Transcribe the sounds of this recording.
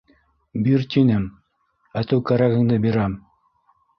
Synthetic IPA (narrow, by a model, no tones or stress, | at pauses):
biɾt̪inɘm | æt̪ɘwkæɾæɣɘ̆ŋd̪ɘbiɾæm